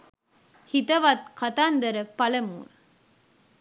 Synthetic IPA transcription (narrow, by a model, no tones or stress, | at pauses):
hit̪ɐʋat̪̚kɐt̪aːnd̪ɐɾɐpɐlɐmuːn